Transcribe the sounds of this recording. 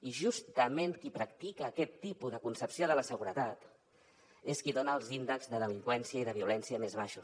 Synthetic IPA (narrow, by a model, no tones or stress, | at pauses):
iʒust̪əmeŋkipɾəkt̪ikəːkɛt̪ːipuðəkunsəpsioðələsəɣuɾət̪at̪ | eskiðonəːlˠzind̪əɡzðəðəliŋkwɛnsiəiðəβiulɛnsiəmezβaʃu